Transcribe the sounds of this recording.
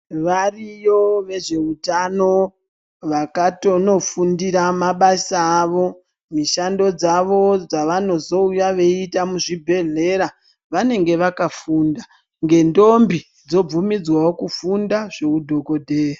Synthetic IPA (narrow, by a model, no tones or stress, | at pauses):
ʋarijo̞ʋe̞ʐe̞utano̞ | ʋakato̞no̞fundiɾamaɓasaːʋo̞ | miʃando̞d͡zaʋo̞d͡zaʋano̞zo̞ujaʋe̞itamuʐibʱe̞ɮe̞ɾa | ʋane̞ŋɡe̞ʋakafunda | ŋɡe̞ndo̞mbi | d͡zo̞b͡vumid͡zwawokufundaʐe̞udʱo̞ko̞dʱe̞ːra